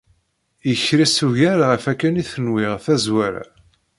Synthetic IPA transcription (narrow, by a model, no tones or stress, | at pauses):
jəçɾisuʝaɾʁəfækːæniθənwiʁθæzwæɾa̰